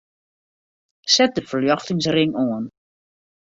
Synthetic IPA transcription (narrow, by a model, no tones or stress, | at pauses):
sɛt̚dəfəljɔxtɪŋs̬rɪŋoən